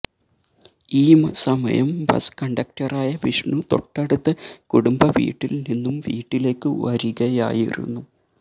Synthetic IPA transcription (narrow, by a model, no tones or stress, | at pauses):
iːmɐsɐmɐ̰jɐmbɐ̰skɐɳɖɐk̚tɐraːjɐʋiʂɳut̪o̞̰ʈːɐɽut̪ːɨkuɽumbɐʋḭːʈːilninːumʋḭːʈːile̞ːkːɨʋɐɾiɣɐja̰ːjḭɾṵnːu